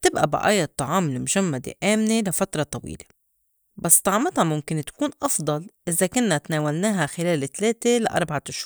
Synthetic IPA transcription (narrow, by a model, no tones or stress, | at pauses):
t̪ɪbʔa̰bɪ̰ʔa̰ːjɑt̪ˤːɑʕɑːmɪlmʊʒamːad̪ḛʔaːmnelafat̪ɾˤɑt̪ˤɑwḭːle̥ | basːt̪ˤɑʕmɪt̪hamʊmkɪnt̪ḁkuːnʔɑfd̪ˤɑlʔɪzakʊnːat̪naːwalnaːɦaxɪleːlɪt̪leːt̪elaʔɑ̰ɾˤbaʕat̪ɪʃhuːɾ